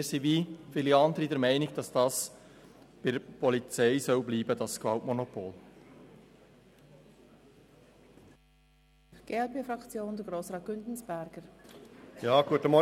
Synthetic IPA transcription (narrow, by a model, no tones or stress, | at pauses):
ɾsiʋifiːliɑnd̪əɾidɛɾmæɪnɪɡd̥ɑsd̥ɑs | b̥ɪpʰɔlit͡sɛɪsœʊbliːbədɑskvɑʊtmonopʰoːl | ɡ̥eɛlbefɾɑkt͡sjoːndəɡɾoːsʁɑːt̚ɡ̥ʏntn̩sb̥ɛɾɡ̥əɾ | jɑːɡ̥uətəmɔ